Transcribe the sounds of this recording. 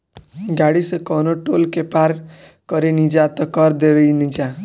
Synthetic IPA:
ɡaɽisekɔnoʈolkepaɾ | kɔɾenid͡ʒat̪ɔkɔɾd̪eʋejnid͡ʒa

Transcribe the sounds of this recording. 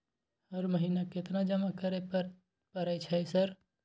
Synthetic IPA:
əɾməɦinaket̪nad͡ʒəmakəɾe | pəɾəjt͡ʃʰəjsəɾ

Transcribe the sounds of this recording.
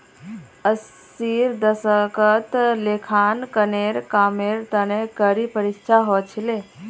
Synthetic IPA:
əs | iɾd̪əsəkət̪lekʰankəneɾkameɾt̪ənekəɾipəɾist͡ʃʰaɦot͡ʃʰile

